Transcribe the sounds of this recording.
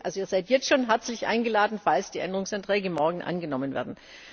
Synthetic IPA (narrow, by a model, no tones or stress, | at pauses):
ʔalzoiːɐzaɪtjɛt͡stʃoːnɦɛɐt͡slɪçʔa̰ɪnɡəlaːdn̩falsd̥iːʔɛndəʁʊŋsantʁ̥ɛːɡəmɔɐɡŋ̩ʔa̰nɡənɔmənvḛːɐdn̩